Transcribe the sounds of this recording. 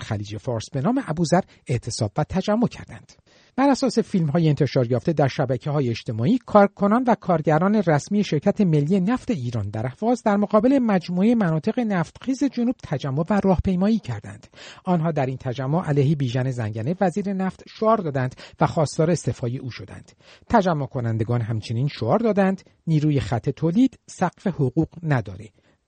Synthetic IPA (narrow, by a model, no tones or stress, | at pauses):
xæliːd͡ʒe̞fɒːɾsbe̞nɒːme̞ʔæbuːzæɾ | e̞ʔt̪ʰe̞sɒ̰ːbvæt̪ʰæd͡ʒæmːo̞cʰæ̰ɾd̪æ̰nd̪̥ | b̥æɾæsɒːse̞fiːlmɦɒːjeent̪ʰe̞ʃɒːɾjɒːft̪e̞d̪æɾʃæbæcʰeɦɒːjeet͡ʃt̪ʰe̞mɒːiːkʰɒːɾkʰo̞nɒnvækʰɒːɾɟæɾɒːne̞ræsmiːeʃe̞ɾcʰæt̪ʰe̞me̞lːiːe̞næft̪e̞iːɾɒːnd̪æɾæhv̥ɒːzd̪æɾmoɣɒːbe̞le̞mæd͡ʒmueemænɒːt̪ʰe̞ɣe̞næft̪xiːze̞d͡ʒonuːb̥̚t̪ʰæd͡ʒæmːo̞værɒːhpʰe̞jmɒːiːcʰæɾd̪æ̰nd̪̥ɒnɦɒːd̪æɾint̪ʰæd͡ʒæmːoʔælejhebiːʒæne̞zæ̰ŋɟæne̞væziːɾe̞næft̪ʃoɒːɾd̪ɒːd̪ænd̪væχɒːst̪ɒːɾeːst̪efɒːje̞ʔuːʃo̞d̪æ̰nd̪̥ | t̪ʰæd͡ʒæmːokʰo̞nænd̪e̞ɡɒːnɦæmt͡ʃʰe̞niːnʃoɒːɾd̪ɒːd̪ænd̪ | niːɾuːjeχæt̪ʰːe̞t̪ʰoːliːd̪̥sæqfe̞hoʁuːqnæd̪ɒ̰ːɾe̞